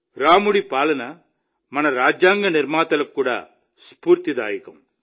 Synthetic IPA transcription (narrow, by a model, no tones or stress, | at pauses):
ɾaːmuɽipaːlɐnɐ | mɐnɐɾaːd͡ʒjaːŋɡɐniɾmaːt̪ɐlɐkːuːɽa̰ː | spuːɾt̪id̪aːjɐkɐm